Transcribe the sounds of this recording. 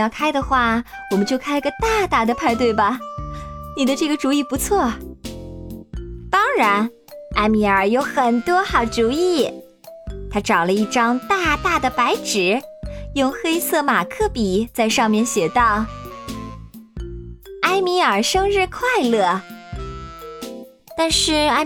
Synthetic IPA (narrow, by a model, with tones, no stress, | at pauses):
ɑ˥˩ʊkʰa˥ɪd̪ə˨xwa˥˩ | wɔ˨˩mə˦nt͡ɕjo˥˧ʊkʰa˥ɪɡə˧t̪a˥˧t̪a˥˩d̪ə˩pʰa˥˧ɪt̪we˥˩ɪbɐ˩ | ni˨˩d̪ə˦ʈ͡ʂɤ˥˩ɡə˩ʈ͡ʂu˧˥i˥˩pu˧˥t͡sʰwɔ˥˩ | t̪ɑ˥ŋɻa˧˥n | a˥ɪmi˧˥ə˞˨˩jo˧˥ʊxə˨˩nt̪wɔ˥xɑ˨˩ʊʈ͡ʂu˨˧˥i˥˩ | t̪ʰa˥ʈ͡ʂɑ˨˩ʊlə˦i˥˩ʈ͡ʂɑ˥ŋt̪a˥˧t̪a˥˩d̪ə˩pa˧˥ɪʈ͡ʂɻ̩˨˧˥jʊ˥˧ŋxe˥ɪsɤ˥˩ma˨˩kʰɤ˥˩pi˨˩˦t͡sa˥˧ɪʂɑ˥˧ŋmjɛ˥˩nɕjɛ˨˩t̪ɑ˥˩ʊ | a˥ɪmi˧˥ə˞˨˩ʂɤ˥ŋɻɻ̩˥˧kʰwa˥˧ɪlɤ˥˩ | t̪a˥˧nʂɻ̩˥˩a˥